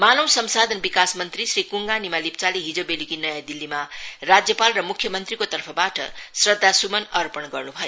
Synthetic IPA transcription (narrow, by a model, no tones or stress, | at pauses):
manʌwsʌmsad̪ʱʌnbikasmʌnt̪risrikuŋɡanimalip̚t͡saliɦid͡zobelikinʌjad̪ilːimarad͡zjʌpalrʌmukʰjʌmʌnt̪rikot̪ʌrpʰʌbaʈʌ̰srʌd̪ʱːasumʌnʌɾpʌnɡʌrnubʱʌjo